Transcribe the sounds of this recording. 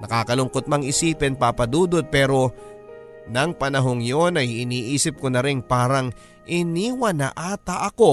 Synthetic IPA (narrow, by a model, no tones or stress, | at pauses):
nɐkaːkɐlʊŋkot̪̚mɐŋɪsiːpɛnpapɐd̪uːd̪ot̪̚pɛːɾo̞ | nɐŋpɐnɐɦo̞ŋjo̞nɐjɪniːʔiːsɪp̚konɐɾɪnpaːɾɐŋ | ʔɪniːwɐnɐ̰ʔaːt̪ɐʔɐko̞